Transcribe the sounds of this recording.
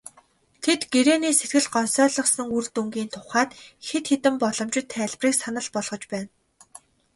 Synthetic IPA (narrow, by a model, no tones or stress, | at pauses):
t̪ʰet̪ɡeɾeːniːset̪ɡɘ̆ɮɢɔnsœːɮɞ̆χsə̆ŋurt̪uŋɡiːnt̪ʰʊχaːt̪xet̪xet̪ɘ̆mpɔɮɞ̆mt͡ɕɪ̆t̪ʰːæːɮʲpriːksanə̆ɮpɔɮʁɞ̆t͡ɕpæːn